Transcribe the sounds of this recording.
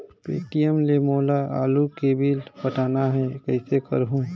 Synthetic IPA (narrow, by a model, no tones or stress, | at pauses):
pḛːʈijəmlemoːlaʔa̰ːlukeːbilpəʈaːnaɦɛkəɪsekə̰ɾɦũ